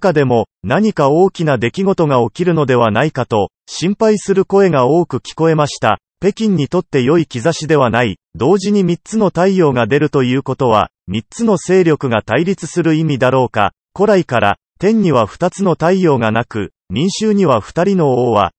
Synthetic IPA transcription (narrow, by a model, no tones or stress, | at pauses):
kad̪e̞mo̞naɲ̟ikao̞ːkʲinad̪e̞kʲiɡo̞t̪o̞ŋao̞kʲiɾɯ̟no̞d̪e̞β̞anaikat̪o̞ | ɕĩmpaisɨɾɯ̟ko̞e̞ɡao̞ːkɯ̟kʲi̥ko̞e̞maɕi̥t̪a̰ | pe̞kʲĩɲ̟ːit̪o̞t̪ːe̞jo̞ikʲizaɕid̪e̞βanaid̪o̞ːʑiɲ̟imʲit͡sɨno̞t̪aijo̞ːɡad̪e̞ɾɯ̟t̪o̞jɯ̟ːko̞t̪o̞βa̰ | mʲit͡sɨno̞se̞ːɾʲo̞kɯ̟ɡat̪aiɾʲit͡sɨ̥sɨɾɯ̟imʲid̪aɾo̞ːka̰ | ko̞ɾaikaɾa̰ | t̪ẽ̞ɲ̟ːiβaɸɯ̥t̪at͡sɨno̞t̪aijo̞ːŋanakɯ̟̰ | mʲĩɰ̃ɕɨːɲ̟iβaɸɯ̟̥t̪aɾʲino̞oːβa̰